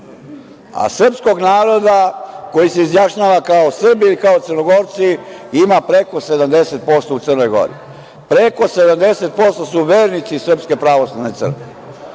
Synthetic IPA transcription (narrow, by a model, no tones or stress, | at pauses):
a̰sr̩psko̞ɡnaːɾo̞d̪ako̞jiseizjaʃɲaːʋakaosr̩bilikaot̪rno̞ɡo̞ɾt̪siimapɾe̞ko̞se̞d̪amd̪e̞se̞t̪̚po̞st̪out̪sərno̞jɡo̞̰ɾḭ | pɾe̞ko̞sed̪amd̪e̞se̞t̪̚po̞st̪osuʋeːɾnit̪sisr̩pske̞pɾaʋo̞slˠaʋne̞t̪sə̰rke